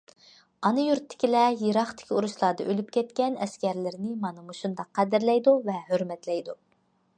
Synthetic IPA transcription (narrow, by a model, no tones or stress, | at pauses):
ɑnɨjuɾt̪ʰːɪ̥kʲilɛjeɾɑχt̪ɪ̥kʲiuɾuʃlˠɑːd̪ɑʔølypkʲɛt̪̚kʲɛnɛskʲɛɾlɪɾɪnɪmɑnɨmuʃund̪ɑqʰːæd̪ɪɾlɛjd̪uvɛhøɾmɛt̪lɛjd̪u